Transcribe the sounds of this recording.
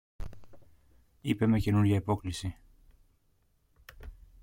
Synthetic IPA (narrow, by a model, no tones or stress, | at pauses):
ipe̞me̞ce̞nuɾʝɐipo̞klisi